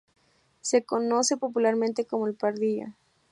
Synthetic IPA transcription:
se̞ko̞no̞se̞po̞p̬ulaɾmẽnt̪e̞ko̞moelpaɾðiʝa̰

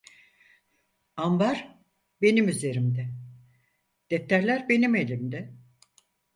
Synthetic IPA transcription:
ambaɾ | be̞nimyze̞ɾimd̪ɛ | d̪̥ɛt̪ʰːæɾlʲæɾbe̞nime̞lʲimd̪ɛ

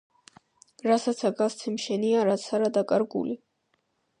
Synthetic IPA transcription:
ɾasat̪sʰaɡast̪sʰɛmʃɛniaɾat̪sʰaɾad̪akʼaɾɡṵli

